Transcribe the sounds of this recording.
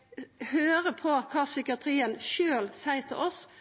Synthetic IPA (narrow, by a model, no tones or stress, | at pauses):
høːʁəpʰɔkʰɑːsʏkɪɑt̪ʰɾiːənʃøːlsæɪt̪ʰɪʔɔs